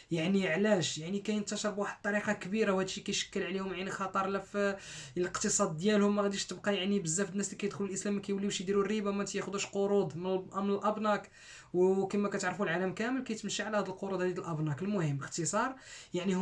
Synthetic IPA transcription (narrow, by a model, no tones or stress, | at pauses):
jaʕniʕlæʃjaʕnikæjənt̪ɑʃɑɾˤbwaħəd̪̚t̪ːˤɑɾiqɑkbiɾawhæd̪ʃːikæjʃə̥kːəlʕlihʊmʕinəxɑt̪ˤɑɾˤlæfləqt̪əsˤɑd̪̚ːjælhʊmːæɣæd̪iʃt̪əbqɑjaʕnibəzːæfd̪ənːæslikæjəd̪xlulʔəslæmːækæjwlːiwʃjd̪iɾurːibamæt̪jæxʊd̪uʃqoɾud̪ˤməmənəlʔɑbnɑk | wkəmækæt̪aʕɾfulʕaləmkæməlkæjt̪mʃiʕlæhæd̪əlqoɾud̪hæd̪əlʔɑbnɑkəlmʊhəmːəqt̪əsˤɑɾˤjaʕni